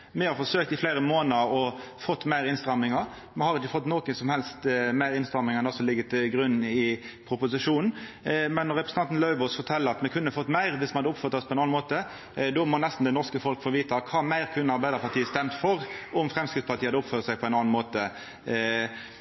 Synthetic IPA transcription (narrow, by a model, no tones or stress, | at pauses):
mɛhɑɾfɔsøːk̚t̪ɪflæɪɾəmoːnəɾɔ | fɔt̪ːmæɪɾɪnst̪ʁɑmːɪŋəɾ | mɛhɑʁɪt͡ʃːəfɔt̪ːnoːkənsɔmhɛlst̪mæɪɾɪnst̪ʁɑmɪŋəɛnɔsɔlɪɡːət̪ʰɪlɡʁʉnːɪpʰɾʊpʊsɪʂuːnn̩ | mɛnːɔɾɛpɾsnɑnt̪n̩lœʉʋɔsfɔt̪ʰɛlːəʁɑt̪mɛkʰʉnːəfɔt̪ːmæɪɾʋɪsmɛhɑd̪əʊpfœɾt̪ɑspʰɔɛnɑnmoːt̪ə | d̪ɔmɔnɛst̪n̩d̪ɛnɔʁskəfɔlkfɔʋiːt̪əkʰɑːmæɪɾkʰʉnːəɑɾbæɪd̪əɾpɑt̪iːəst̪ɛmt̪fɔɾʊmfʁɛmskɪt̪spɑt̪ʰiːhɑd̪əʊpfœʁt̪sæɪpʰɔɛɪnɑnn̩moːt̪ə